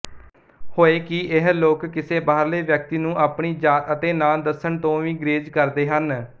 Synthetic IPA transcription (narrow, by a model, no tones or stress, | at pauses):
hoːeːkɪʔɪɦloːkːɪseːbaːɾleːʋjək̚t̪iːnũːʔaːpɳiːd͡ʒaːt̪ət̪eːnaːd̪əsəɳt̪õːʋĩːɡɾeːd͡ʒkəɾd̪eːɦən